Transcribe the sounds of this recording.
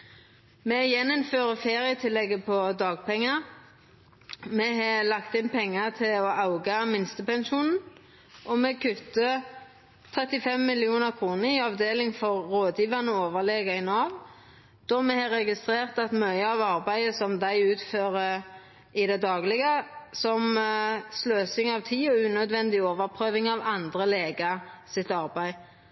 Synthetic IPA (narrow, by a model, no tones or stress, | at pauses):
mɛjɛnːɔmføːʁəfeːʁɪət̪ʰɪlːɛɡəpʰɔd̪ɑːɡ̚pʰɛŋːə | mɛɦɑlɑkt̪ɪnpʰɛŋːət̪ʰɪlɔʔɑʊɡɑmɪnst̪əpɛnʃuːnn̩ | ʔɔmɛkʰʉt̪ːə | t̪ʰʁɛt̪ɪfɛmːɪlɪuːnəʁkʰʁuːnəɾɪɑʋd̪eːlɪŋfɔʁːoːd̪jiːʋɑnəoːʋəʁleːɡəɪnɑːʋ | d̪̥ɔmɛhɑɾɛɡɪst̪ʁeːʁt̪ɑt̪mœʏəɑʋɑʁbæɪəsɔmd̪æɪʉːt̪føːʁə | ɪd̪ɛd̪ɑːɡlɪɡəsɔmsløːsɪŋɑʋt̪ʰiːɔʉːnœd̪ʋɛnd̪ɪoːʋəʁpʰʁøːʋɪŋɑʋɑnd̪ʁəleːɡəsɪt̪ɑʁbæɪ